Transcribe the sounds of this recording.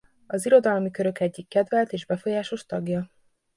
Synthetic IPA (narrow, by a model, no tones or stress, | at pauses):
ɒziɾo̞d̪ɒlmikø̞ɾø̞kɛɟːikːɛd̪vɛlt̪eːʒbɛfo̞jaːʃoʃt̪ɒɡjɒ